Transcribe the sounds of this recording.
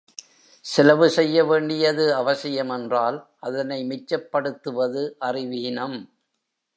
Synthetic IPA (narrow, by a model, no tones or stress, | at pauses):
sɪlɐʋɯsɛjːɐʋeːɳɖɪjɐðɯɐʋɐsɪjɐmɛndraːlʔɐðɐnɐɪmɪt͡ʃːɐpːɐɽɯt̪ːɯʋɐðɯʔɐrɪʋinɐm